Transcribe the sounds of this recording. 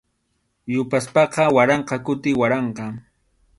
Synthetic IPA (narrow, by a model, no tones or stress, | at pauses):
jʊpaspɑqɑwaɾɑɴqɑkʊt̪ɪwaɾɑɴqɑ